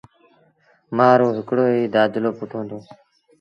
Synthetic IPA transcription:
maːɾõːɦɪkɽoːɦiːd̪aːd͡ʒ̪loːpʊʈʰõːnd̪oː

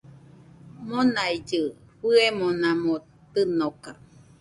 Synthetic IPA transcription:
monaid͡ʒɨɸɨemonãmo | t̪ɨnoka

